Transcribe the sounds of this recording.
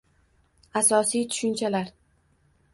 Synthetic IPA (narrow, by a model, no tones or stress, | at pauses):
asɒsijt̪ʰʊ̥ʃʊnt͡ʃʰalaɾ